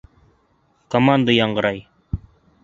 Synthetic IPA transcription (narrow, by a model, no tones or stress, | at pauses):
komand̪əjɑɴɢɤ̆ɾɑj